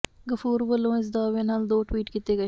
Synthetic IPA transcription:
ɡəfuːɾbəlõːɪs̬d̪aːʋenɐld̪oːʈwiːʈkit̪eːɡɐ

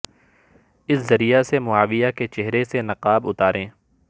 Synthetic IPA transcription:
ɪszɐɾijasemʊaːʋijaket͡ʃɛɦɾesenɐqaːbʊt̪aːɾẽː

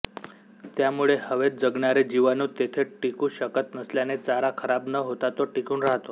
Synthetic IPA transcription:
t̪jamuɭehəʋet̪̚d͡zəɡɳaɾed͡ʑiʋanuːt̪et̪ʰeʈikuːɕəkət̪nəsljanet͡saɾakʰəɾabnəɦot̪at̪oʈikuːnɾaɦt̪o

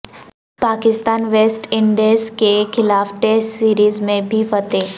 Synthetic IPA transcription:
paːkɪst̪aːnʋeːsʈɪ̃ɳɖeskexɪlaːfʈɛsʈsiːɾiːzmẽbʱifɐt̪eː

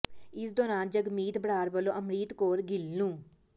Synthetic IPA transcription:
ɪsd̪oːnaːnd͡ʒəɡmiːt̪bəɽaːɾbəlːoːʔəmɾiːt̪koːɾɡɪlnũː

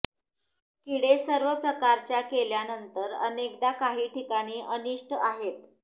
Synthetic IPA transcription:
kiɽesəɾʋəpɾəkaɾt͡ɕjakeljanənt̪əɾə̰nek̚d̪akaɦiːʈʰikaɽ̃iːʔəniʂʈəaɦet̪

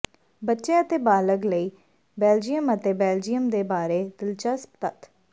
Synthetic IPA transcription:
bətːʃeːət̪eːbaːləɡləiː | bɛːld͡ʒijəmət̪eːbɛːld͡ʒijəmd̪eːbaːɾeːd̪ɪlt͡ʃəspt̪ət̪

